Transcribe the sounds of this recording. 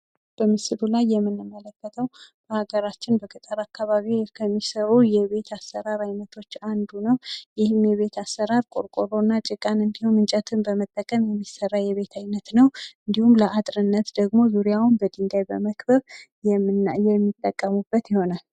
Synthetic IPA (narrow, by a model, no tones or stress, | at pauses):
b̥əmɨsɨlulajːɛmːɨnːɨmːələkːət̪ʰəwb̥əhaɡəɾat͡ʃːɪnbəkʼɨt̪ʼəɾakʰːaβaβikʰəmːisəɾujɛβe̞t̪ʰasːəɾaɾajnət̪ʰo̞t͡ʃːand̪unəwjɪhɨmjɛβe̞t̪ʰasːəɾaɾkʼo̰ɾkʼoɾo̞nːat͡ʃʼɨkʼanɨnd̪ihumɨnt͡ʃʼət̪ʰɨnbəmət̪ʼːəkʼəmjɛmːisːərːajɛβe̞t̪ʰajnət̪nəwʔɨnd̪ihumləʔat̪ʼɾɨnːət̪d̪əɡmo̞zuɾijawʊnbəd̪ɨnd̪ajbəməkbəβ | jɛjɛmːit̪ʼːəkʼːəmubːət̪jɪho̞nal